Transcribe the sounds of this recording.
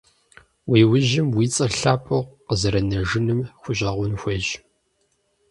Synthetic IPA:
wiːwʊʒɪmwiːt͡sʼɐɬaːpʼɨʁʷqəzɐɾɐnɐʒɨnɨmxʷʊɕʼɐʁʷʊnxʷɐʒ

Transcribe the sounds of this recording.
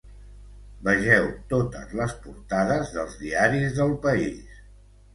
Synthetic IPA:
bəʒɛwt̪ot̪ə̰zləspuɾt̪aðəzðəlˠzðiaɾizðəlˠpəis

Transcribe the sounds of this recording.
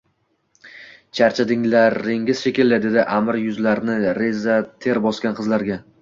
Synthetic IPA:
t͡ʃʰaɾt͡ʃʰad̪ɪŋlaɾɪŋʲɪz̥ʃekʲɪlːad̪e̞d̪ɪʔamɪɾjʊzlaɾnɪɾezat̪ʰe̞ɾbɒskʲanqʰɨzlaɾɡʲa

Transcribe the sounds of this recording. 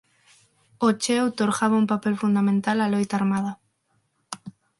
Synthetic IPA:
ot͡ʃɛwt̪oɾɣaβaumpapelfund̪amẽnt̪alalojt̪aɾmað̞a

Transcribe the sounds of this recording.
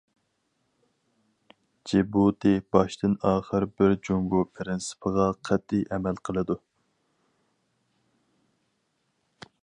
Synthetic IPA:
d͡ʒebut̪ʰɨb̥ɑʃt̪ʰɨnɑːχəɾbɪɾd͡ʒoŋɡupʰɪɾɪnsɪ̥pʰəʁɑqʰɛt̪ʰːijʔɛmɛlqʰəlˠɨd̪u

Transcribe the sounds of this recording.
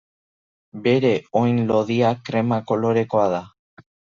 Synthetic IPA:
be̞ɾe̞ojnlo̞ðiakɾemako̞lo̞ɾe̞ko̞aða

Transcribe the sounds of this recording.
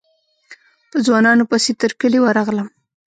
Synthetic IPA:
pəzwɑnɑnopəset̪əɾkəlewəɾɑɣləm

